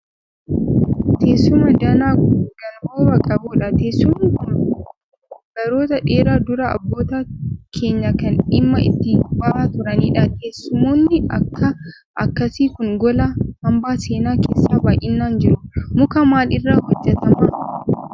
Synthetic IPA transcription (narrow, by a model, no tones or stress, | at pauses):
t̪ʰeːsʊmɐd̪ɐnaːkʊɡɐnboːbɐkʼɐbuːᶑɐt̪eːsːʊmːŋkʊn | ɡ̥ɐɾoːt̪ɐᶑe̞ːɾaːd̪ʊɾɐɐ̰bːoːt̪akʰe̞ːɲːɐkɐnɪmːɐʔɪ̰t̪ːɪbɐaːt̪ʊɾɐniːᶑɐt̪eːsːʊmoːnːɪɐ̰kːɐ | ʔɐkːɐsiːkʊŋɡɔlɐhɐmbaːse̞ːnaːkeːsːaːbaːʔʔɪnːaːnd͡ʒɪɾʊmʊkɐmaːlɪrːaːhɔd͡ʒːɛt̪ɐmɐ